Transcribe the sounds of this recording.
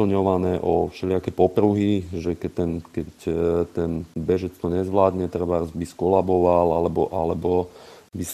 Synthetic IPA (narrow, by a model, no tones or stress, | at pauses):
l̩ɲɔʋanɛːʔɔfʃɛlɪakɛːpɔpɾuɦiʒɛkɛt̪ːɛnkɛct̪ɛnbɛʒɛt͡st̪ɔɲɛzʋlaːd̪ɲɛt̪r̩ʋarzbiskɔlabɔʋalalɛbɔʔalɛbɔbis